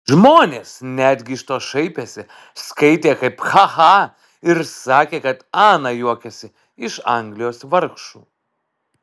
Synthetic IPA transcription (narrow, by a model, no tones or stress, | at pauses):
ʒmoːnʲeːsnʲæd̪ʲɡʲɪɪʃt̪oːʃɐɪpʲeːsʲɪ | skɐɪt̪ʲeːkɐɪpxɑxɑː | ɪɾsɑːkʲeːkɐt̪ɑːnɑjuɔkʲɛsʲɪ | ɪʃɐ̰ŋʲɡlʲɪjoːsʋɐɾkʃṵː